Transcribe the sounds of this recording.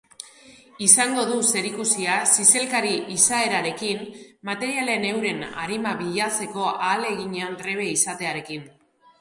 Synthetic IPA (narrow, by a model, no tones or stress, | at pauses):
isaŋɡo̞ðuse̞ɾikusiasise̞lkaɾiʔisae̞ɾaɾe̞kinmat̪e̞ɾiale̞ne̞wɾe̞na̰ɾimaβiʎat͡se̞ko̞ʔaːle̞ɣ̞iɲeanreβ̞e̞isat̪e̞aɾe̞kin